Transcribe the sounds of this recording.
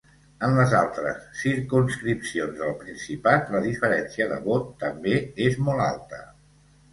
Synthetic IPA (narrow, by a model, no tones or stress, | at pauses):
ənləza̰lˠt̪ɾə̰sːiɾkunskɾipsionzðəlˠpɾinsipat̪ləðifəɾɛnsiəðə̰βot̪ːəmbeezmɔlˠa̰lˠt̪ə̰